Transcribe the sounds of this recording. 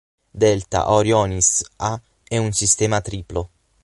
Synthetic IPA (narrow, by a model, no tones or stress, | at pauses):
d̪ɛlt̪a̰ʔoɾjɔnisa | ɛunsist̪ɛːmat̪ɾiːplo